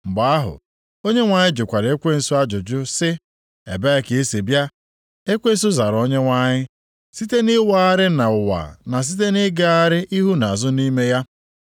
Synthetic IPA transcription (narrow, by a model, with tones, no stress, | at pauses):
ŋ͡m̩˨ɡ͡ba˨a˦ɦʊ̰˨ | o˦ɲe˦ŋʷa˨ɲɪ˦d͡ʒʊ˨kʷa˨ɾe˦kʷe˦n̩˨su˦a˦d͡ʒʊ˨d͡ʒʊ˦sɪ˦ | ḛ˨be˦ke˨e˦se˨bja˦ | e˦kʷe˦n̩˦su˦za˨ɾo˦ɲe˦ŋʷa˦ɲɪ˦ | si˦te˦nɪ˦wa˦a˦ɾɪ˦na˨ʊ˨wa̰˨na˨s̬i˦t̬e˦nɪ˦ɡa˦a˦ɾɪ˦ʔi˦ɦu˦na˨zʊ˦ni˦me˦ja˦